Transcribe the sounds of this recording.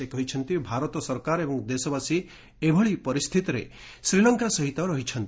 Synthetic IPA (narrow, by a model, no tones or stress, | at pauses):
ekɔɦit͡ʃʰɔnt̪ibʱaɾɔt̪ɔsɔɾkaɾebɔŋd̪esɔbasi | ebʱɔɭipɔɾist̪ʰit̪ɔɾḛ | sɾilɔŋkasɔɦit̪ɔɾɔɦit͡ʃʰɔnt̪